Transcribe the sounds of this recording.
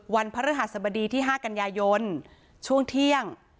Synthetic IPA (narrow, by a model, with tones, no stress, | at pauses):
wa˧npʰa˦˥ɾa˦˥˩ɦa˨˩t̪̚sa˧ba˧diː˧t̪ʰiː˥˩ɦaː˥˩ka˧njaː˧jo˧n | t͡ɕʰu˥˩əŋt̪ʰi˥˩əŋ